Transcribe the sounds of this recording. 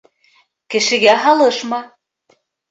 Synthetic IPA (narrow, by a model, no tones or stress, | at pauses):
kɘ̆ʃɘ̆ɣæɦɑlɤʃmɑ